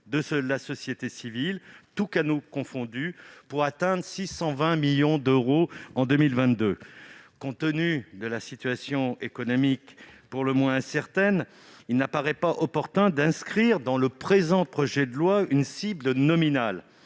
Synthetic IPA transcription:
d̪əsəlasɔsjet̪esivilt̪ukanukɔ̃fɔ̃d̪ypuʁat̪ɛ̃d̪ʁsisɑ̃vɛ̃miljɔ̃d̪øʁoɑ̃d̪ømilvɛ̃t̪̚d̪økɔ̃t̪ənyd̪əlasit̪yasjɔ̃ekɔnɔmikpuʁləmwɛ̃sɛʁt̪ɛn | ilnəpaʁɛpaʔɔpɔʁt̪ɛ̃d̪ɛ̃skχiʁd̪ɑ̃ləpχezɑ̃pχɔʒɛd̪əlwaynsiblənɔminal

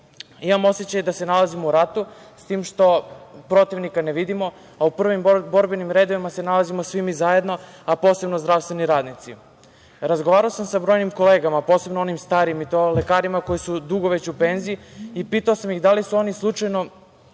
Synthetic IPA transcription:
imamo̞set͡ɕajed̪ase̞nalazimouɾat̪u | st̪iːmʃt̪o̞pɾo̞t̪iʋnikaneʋid̪imo̞ | aupr̩ʋimbo̞ɾbenimɾe̞ːd̪oʋimase̞nalazimosʋimizaje̞d̪no̞ | apo̞ːse̞bnozd̪ɾafst̪ʋe̞niɾaːd̪nit̪si | ɾazɡoʋaːɾaosamsabɾo̞jnimko̞le̞ːɡamapo̞ːse̞bnoo̞nimst̪aːɾimit̪ole̞kaːɾimako̞jisud̪uɡoʋe̞t͡ɕupe̞nziiipiːt̪aosamjiɣd̪alisuo̞nislˠut͡ʂajno̞

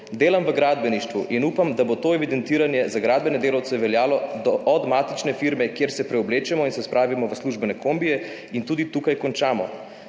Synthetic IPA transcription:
d̪eːlamʋəɡɾaːd̪bɛniʃt̪ʋuʔinupamd̪abot̪oːɛʋid̪ɛnt̪iːɾanjɛzaɡɾaːd̪̚bɛnɛd̪eːlawt̪sɛʋɛljaːlɔd̪ɔʔːd̪maːt̪it͡ʃnɛfiɾmɛkjeɾsɛpɾɛɔbleːt͡ʃɛmɔinsɛspɾʔaːʋimɔʋəsluʒbɛnɛkʰombijɛ | int̪uːd̪it̪ukajkɔnt͡ʃaːmɔ̰

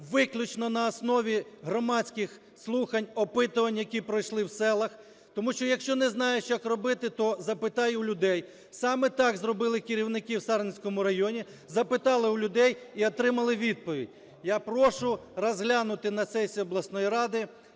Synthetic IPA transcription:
ʋɪklʲʊt͡ʃnɔnɐːsnɔʋʲiɦɾɔmɑtt͡sʲkɪx | slˠuxɐnʲɔpɪt̪ʊʋɐnʲjɐkʲipɾɔjʃlˠɪwsɛlˠɐx | t̪ɔmuʃt͡ʃɔjɐkʃt͡ʃɔnɛznɑjɛt͡ʃjakrɔbɪt̪ɪt̪ɔzɐpɪt̪ɑjʊʊlʲʊd̪ɛj | sɑmɛt̪ɑɡzɾɔbɪlˠɪkɪɾʲiwnɪkiwsɑɾnʲsʲkɔmʊɾɐjɔnʲi | zɐpɪt̪ɑlˠɪulʲʊd̪ɛjiɔt̪ɾɪmɐlˠɪʋʲid̪̚pɔʋʲḭdʲ | japɾɔʃʊrɔzɦlʲanʊt̪ɪnɐsɛsʲiɔblˠɐsnɔjiɾɑd̪ɪ

